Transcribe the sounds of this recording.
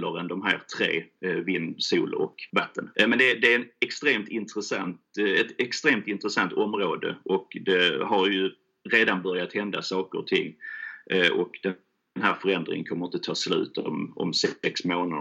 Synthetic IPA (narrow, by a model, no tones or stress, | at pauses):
ləɾənd̪ɔmɦæ̰ːɾt̪ʰɾḛːvɪnsuːlɔ̰kvat̪ʰːənmɛnd̪ɛd̪ɛæɛnɛkst̪ɾeːmt̪ʰɪnt̪ɾəsa̰nt̪ɛt̪ɛkst̪ɾeːmt̪ɪnt̪ɾəsant̪ʰɔmɾoːd̪ə̰ʔɔkd̪ɛhaɾjɵ | ɾeːd̪anbœɾjat̪hɛnd̪a̰sɑːkəɾɔ̰t̪ʰɪ̰ŋː | ʔɔkd̪̥ɛ | nɦæːɾfœɾɛnd̪ɾɪ̰ŋənkʰɔmːəɾɪnt̪ət̪ʰɑːslʉ̟̰ːt̪ɔmɔ̰msɛksmoːnad̪